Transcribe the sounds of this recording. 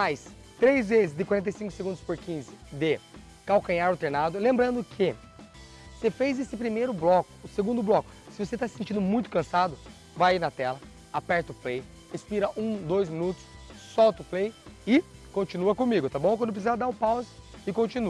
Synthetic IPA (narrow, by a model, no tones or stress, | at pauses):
majs | t̪ɾejzvezɪzd̪ɪkwaɾẽt̪̬ejsĩŋkʊseɡũd̪ʊspoɾkĩzɪd̪ɪ | kawkɐ̃ɲaɾʊt̪eɾnad̪ʊlẽmbɾɐ̃nd̪ʊkʰɪ | sefejzesɪpɾimejɾʊblɔkʊ̥ʊseɡũnd̪ʊblɔkʊ̥sɪvoset̪asɪ̥sẽt͡ʃĩnd̪ʊmũj̃t̪ʊ̥kɐ̃sad̪ʊ | vajinɐt̪ɛlɐ | apɛɾt̪ɐʊplej | hespiɾɐʔũd̪ojzmĩnut̪ʊ̥ssɔwt̪ɐʊplejɪkõnt͡ʃĩnuɐkõmiɡʊt̪abõw̃kwɐ̃d̪ʊpɾs̬izad̪aɾʊpawzɪ | ɪkõnt͡ʃĩnu